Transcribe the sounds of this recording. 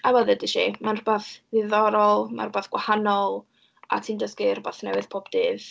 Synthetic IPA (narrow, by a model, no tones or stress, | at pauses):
awɔðədɪʃimanrʊbaθðɪðɔɾɔlˠma̰nrʊbaθɡ̥wahanɔlˠ | a̰tʰiːndəskɪr̥ʊbaθnɛwɨð̥pʰɔbdɨːð